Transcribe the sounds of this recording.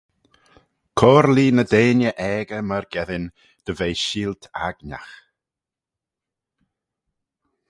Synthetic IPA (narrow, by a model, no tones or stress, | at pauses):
kʰɔːɾliːnədeːnjəʔɛːɡəməɾɡɛðɪn | d̪̥əvejʃiːlt̪ʰa̰ɡna̰x